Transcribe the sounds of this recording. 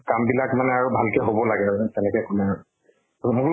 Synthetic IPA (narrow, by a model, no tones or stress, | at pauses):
kambilakmanɛaɹubʱalkɛɦobɔlaɡɛaɹtɛnɛkɛkɔlɛaɹu | mʊkl